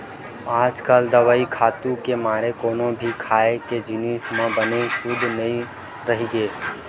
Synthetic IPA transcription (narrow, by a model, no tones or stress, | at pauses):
aːd͡ʒkaːld̪əʋaːikʰaːt̪ũkemaːɾekoːnõbʱikʰaːeked͡ʒɪnismãbənesʊd̪ʱnɐɦĩ | ɾəɦiɡeː